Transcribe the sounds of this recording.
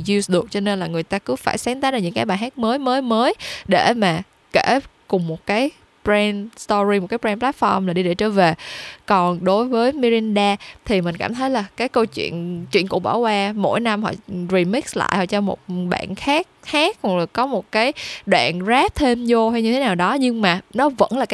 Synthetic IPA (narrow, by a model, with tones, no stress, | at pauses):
zi˧sɗɨ˨˩ək̚t͡ɕɔ˧ne˧nlaː˨˩ŋɨ˨˩əjt̪aː˧kɨ˧˦faː˧˩jsaː˨˦nt̪aː˧˦˥za˨˩ɲɨ̰˧˥ŋkaː˨˦jɓaː˨˩ɦaː˦˥k̚məː˨˦jməː˨˦jməː˨˦jɗe˧˩maː˨˩ | ke˧˩kʊ˨˩ŋ͡mmo˨˩t̚kaː˨˦j | pɾɛ˧nst̪ɔ˧ɹi˧mo˨˩kaː˨˦pɹɛ˧nplaː˦˥t̚fɔ˧mlaː˨˩ɗi˧ɗe˧˩t͡ɕə̰ː˧˩veː˨˩kɔ˨˩nɗo˨˦jvəː˨˦jmi˧ɾi˧nɗaː˧t̪ʰi˨˩mï˨˩ŋ̟kaː˧˩mt̪ʰə˨˦jlaː˨˩kaː˨˦jkə˧wt͡ɕwḭ˧˨ənt͡ɕwḭ˧˨ənkṵ˧˩ɓa̰ː˧˩wkwaː˧mo̰˧˥jna˧mhɔ̰˧˨ɹi˧˩mi˦˥k̚sla̰ː˧˨jhɔ̰˧˨˩t͡ɕɔ˧mo̰˨˩t̚ɓa̰ː˧˨nxaː˦˥k̚haː˦˥k̚hlkɔ˨˦mo˨˩t̚kaː˨˦jɗwa̰ː˧˨nzaː˦˥p̚t̪ʰe˧mzo˧ha˧jɲɨ˧t̪ʰe˨˦naː˨˩wɗɔ˨˦ɲɨ˧ŋmaː˨˩nɔ˨˦və̰˧˥nlaː˨˩k